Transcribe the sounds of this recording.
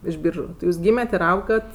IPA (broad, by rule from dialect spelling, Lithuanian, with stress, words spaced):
ɪʃ ˈbʲiːrʒʊ tʲɪ ˈjuːzʲˈɡʲiːmʲɛtʲ ɪr ˈɐʊɡɐt